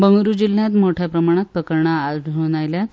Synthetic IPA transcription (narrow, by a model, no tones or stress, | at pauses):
bəŋɡɾud͡ʑil̤jat̪moʈʰjapɾəmaɽ̃at̪̚pəkəɾɳaːɖʱəʋɽajljat̪